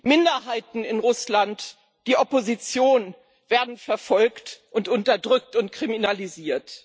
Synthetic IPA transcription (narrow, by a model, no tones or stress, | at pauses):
mɪndɐɦaɪtn̩ɪnʁʊslant | d̥iːʔɔpozit͡sjoːn | v̥eːɐdn̩fɛɐfɔlktʔʊntʔʊntɐdʁʏk̚tʊntkʁ̥iminaliziːɐt